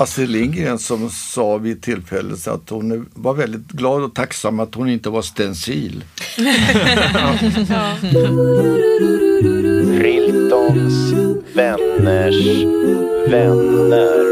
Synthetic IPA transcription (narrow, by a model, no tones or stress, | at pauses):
ʔasəlɪŋɡɾɪənsɔmsɑːvɪt̪ʰɪlfɛlːə̰sa̰t̪hʊnævaɾvɛld̪ɪt̪ɡlɑːd̪ɔt̪ʰaksamːat̪hʊnɪnt̪əvaʂt̪ɛnsiːl | fɾɪlt̪ɔnsvɛnːəʂ | vɛnːəɾ